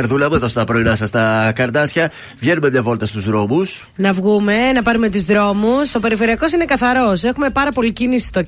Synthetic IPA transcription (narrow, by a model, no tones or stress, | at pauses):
ɐɾðulɐmeðo̞st̪ɐpɾo̞inɐsɐst̪ɐkɐɾd̪ɐsçɐ | vʝe̞nume̞mɲɐvo̞lt̪ɐst̪uzðɾo̞mus | nɐvɣume̞nɐpɐɾume̞t̪uzðɾo̞muso̞pe̞ɾife̞ɾiɐko̞sine̞kɐθɐɾo̞se̞xume̞pɐɾɐpo̞licinisi̥st̪o